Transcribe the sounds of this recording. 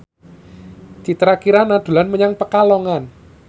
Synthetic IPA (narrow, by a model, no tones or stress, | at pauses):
d̪̥i̤t̪əɾakiɾanad̪̥ṳlanməɲaŋpəkalɔŋan